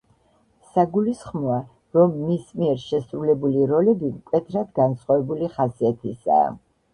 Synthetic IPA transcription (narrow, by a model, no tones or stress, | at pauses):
saɡulisχmɔa | ɾɔmːismiɛɾʃɛsɾulɛbuliɾɔlɛbimkʼwɛt̪ʰɾad̪ɡansχavɛbuliχasiat̪ʰisa̰ː